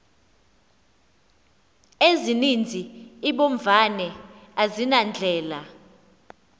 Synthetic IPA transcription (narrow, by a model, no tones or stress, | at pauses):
ezinind͡zʱiiɓoɱvanɛazinand͡ɮʱɛːla